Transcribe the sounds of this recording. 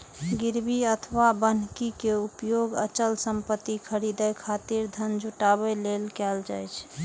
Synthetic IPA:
ɡiɾbiət̪ʰʋabən̤kikeupjoɡət͡ʃəlsəmpət̪ːikʰəɾid̪əjkʰat̪iɾd̪ʱənd͡ʒʱuʈaβəlelkɛld͡ʒajt͡ʃʰ

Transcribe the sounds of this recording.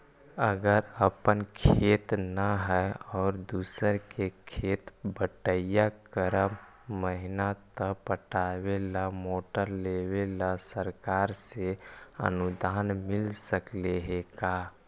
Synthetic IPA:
əɡəɾəpənkʰeːt̪naɦɛɔːɾd̪uːsəɾkekʰeːt̪bəʈəjakəɾə | məɦɪnat̪əpəʈaːwelamoːʈəɾlewelasəɾkaːɾseə̰nud̪ʱaːnmɪlsəkleɦekaː

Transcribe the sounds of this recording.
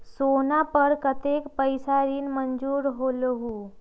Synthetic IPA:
sonapəɾkət̪ekpəjsaɾiːnməɲd͡ʑuːɾɦoləɦuː

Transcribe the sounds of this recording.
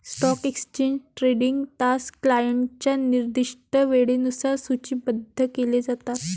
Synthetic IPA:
sʈɔkeksə̥t͡ɕeɲd͡ʑʈɾeɖiŋɡt̪asklajeɳʈt͡ɕjaniɾd̪iʂʈəʋeɽenusaɾsut͡ɕiːbəd̪ʱːəkeled͡zat̪at̪

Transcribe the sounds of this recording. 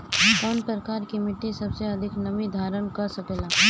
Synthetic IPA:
pɔnpɾəkaːɾkimɪʈːisɐbseɐd̪ʱɪknɐʋid̪ʱaːɾənkɐɾsɐkeːlaː

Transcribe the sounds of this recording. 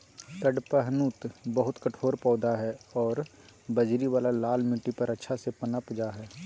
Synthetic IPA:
t̪ɐɖpəɦnut̪bəɦʊt̪kɐʈʰoːɾpɔːd̪aɦɛɔːɾ | bɐd͡ʒɾiʋaːlalaːlmɪʈːipɐɾɐtːʃʰasepɐnapd͡ʒaɦɛː

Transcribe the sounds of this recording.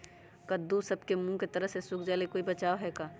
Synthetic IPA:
kɐd̪ːusɐbkemũket̪ɐɾəɦsesʊkʰd͡ʒaːlekoːibɐt͡ʃaːoɦɛːkaː

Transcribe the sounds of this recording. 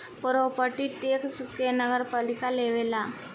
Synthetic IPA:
pəɾopəʈiʈeksukenəɡəɾpalikaleʋela

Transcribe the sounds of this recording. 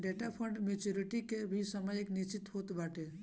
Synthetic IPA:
ɖeʈapʰə̃ɳɖmet͡ʃuɾiʈikebʱisəməjɪknit͡ʃɪt̪ɦot̪baːʈe

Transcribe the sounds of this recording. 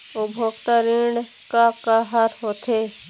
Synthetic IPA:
ʊbʱokt̪aɾĩɖ | kakaɦaɾɦot̪ʰeː

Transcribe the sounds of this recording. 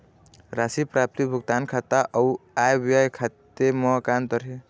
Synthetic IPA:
ɾasipɾap̚t̪ibʱuɡt̪ankʰat̪aʔʌwajbiajkʰat̪ːemɔkant̪ʌɾɦe

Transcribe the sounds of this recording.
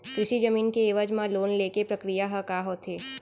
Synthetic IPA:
kɾʊʃid͡ʒɐmiːnkeːʋəd͡ʒmãloːnleːkepɾɐkɾijaɦəkaɦoːt̪ʰeː

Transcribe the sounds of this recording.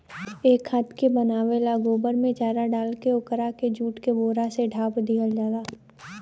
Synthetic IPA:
eːkhət̪ʰkebənaːʋelaːɡoːbəɾmẽt͡ʃaːɾaɖaːlkeʊkɾaked͡ʒuːʈkeboːɾaseɖʱaːpd̪iːəld͡ʒaːlaː

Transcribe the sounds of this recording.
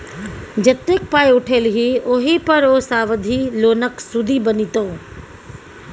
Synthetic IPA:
d͡ʒɐt̪ːeːk̚paːjʊʈʰeːlɦioːɦipɐɾoːsaːʋəd̪ʱiloːnəksud̪ʱibɐnit̪õː

